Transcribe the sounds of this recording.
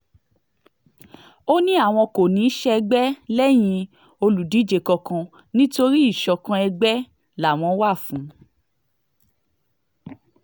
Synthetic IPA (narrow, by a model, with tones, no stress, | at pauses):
o˦nĩ˦a˦˨w̃ɔ̃˧ko˨nĩ˨˦ʃɛ˦˧ɡ͡bɛ˦lɛ˦j̃ĩ˧ | o˧lu˨di˨˦d͡ʒe˨kɔ˧kã˧ | nĩ˦to˧ɾi˦i˦˨ʃɔ˧kã˧ɛ˧ɡ͡bɛ˦ | la˨w̃ɔ̃˨˧˦wa˦˨fũ˨˦